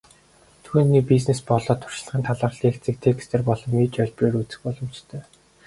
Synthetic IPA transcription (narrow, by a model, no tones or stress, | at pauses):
t̪ʰuːnːiːpisnespɔɮɔːt̪ʰʊ̥r̥ʃɪ̥̆ɮʁə̆ːnt̪ʰaɮə̆ːrɮiːxt͡sɘ̆k̚t̪ʰekst̪ʰeːrpɔɮɞ̆mːiːt͡ɕœɮʲpreːɾut͡sɘ̥̆xpɔɮɞ̆mt͡ɕt̪ʰœː